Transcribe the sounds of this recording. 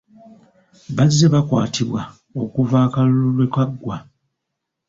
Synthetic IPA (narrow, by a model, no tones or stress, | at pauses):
βazːeβakwaːtʰiβwa | o̞kuvaːkalululwe̞kaɡːwa